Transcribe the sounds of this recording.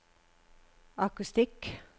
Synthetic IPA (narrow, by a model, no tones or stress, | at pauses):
ɑkʉst̪ɪk